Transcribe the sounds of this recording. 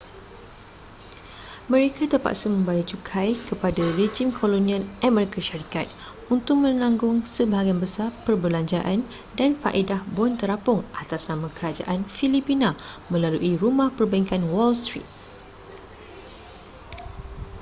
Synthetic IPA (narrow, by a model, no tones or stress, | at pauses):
mə̃ɾekʰat̪ərpa̰ʔsamə̃mbajat͡ʃukʰajkəpadared͡ʒimkʰolonĩãnʔamɛɾikaʃaɾikat̪̚ | unt̪ʊk̚mə̃laŋɡʊŋsəbaɦaɡianbəsapərbəlaɲd͡ʒaʔan | danfa̰ʔedahbɔnt̪əɾapʊŋʔat̪asnãmãkəɾad͡ʒa̰ʔanfilipinãmə̃laluʔiɾumãhpərbaĩŋkanwɔlst̪ɾḭt̪̚